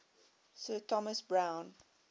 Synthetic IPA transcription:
sɜːtʰɔməsbɹãʊ̃n

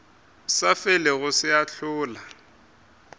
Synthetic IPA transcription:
safɛlɛɣʊsɪaɬʊːla

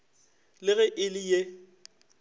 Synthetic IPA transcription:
lɪɣɛʔɪlɪje

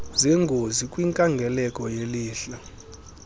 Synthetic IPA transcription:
zɛŋɡʱozikʼwiŋkʼaŋɡʱɛlɛkʼɔjeliːɬɔ

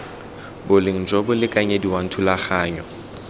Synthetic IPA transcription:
bʊleŋ̩d͡ʒobʊlɪkʼaɲɛdiwaŋ̩tʰʊlaχaːɲɔ

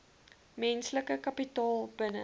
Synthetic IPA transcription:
mɛnsləkəkɐpitɑːlˠbənə

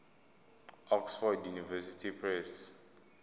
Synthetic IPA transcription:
ɔksfɔdjunivɛsitʰipʰɹɛs

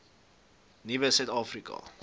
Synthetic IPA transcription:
nivəsœɥt̪ɑːfrikɐ̰

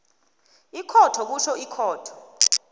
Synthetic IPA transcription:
ikʰɔtʰɔk̬uʃɔʔikʰɔːtʰɔ̥

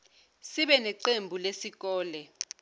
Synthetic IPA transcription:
siɓɛnɛǀembʱulesik̬ɔːlɛ

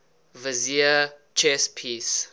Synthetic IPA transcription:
vɐziə | t͡ʃɛspʰis

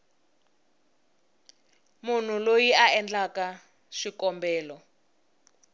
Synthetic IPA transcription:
mun̤ulojiaɛnd͡ɮaka | ʃikɔmbɛːlɔ

